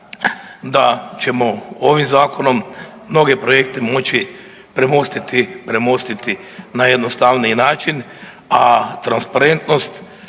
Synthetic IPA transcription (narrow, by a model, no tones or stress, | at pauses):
d̪at͡ʃe̞mo̞o̞ʋimzaːko̞no̞mːno̞ɡe̞pɾo̞je̞k̚t̪emo̞t͡ʃi | pɾemo̞st̪it̪ipɾe̞mo̞st̪it̪i | najed̪nost̪aʋninaːt͡ʃin | at̪ɾanspaɾe̞nt̪nost̪